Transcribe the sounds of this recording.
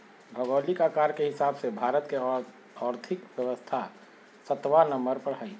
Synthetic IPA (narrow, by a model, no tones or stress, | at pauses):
bʱəɡoːlikaːkaːɾkeɦɪsaːbsebʱaːɾət̪ke | ɔːɾt̪ʰɪkʋjəʋəst̪ʰa | sət̪ʋanə̃mbəɾpəɽɦai